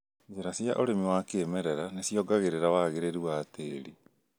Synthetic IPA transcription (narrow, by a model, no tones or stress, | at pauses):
d͡ʑeɾasiaʔoɾemiwakeːmɛɾɛɾanesijɔɡaɣeɾeɾawaɣeɾeɾiwateːɾi